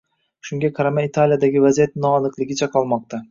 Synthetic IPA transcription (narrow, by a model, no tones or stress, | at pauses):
ʃʊŋɡʲaqʰaɾamait̪ʰalˠjad̪aɡʲɪvazijat̪nɒːnɨqlˠɪɡʲɪt͡ʃʰaqʰɒlˠmɒq̚t̪ʰa